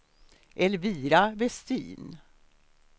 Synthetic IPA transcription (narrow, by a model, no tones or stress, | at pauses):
ʔɛlviːɾavɛst̪ḭːn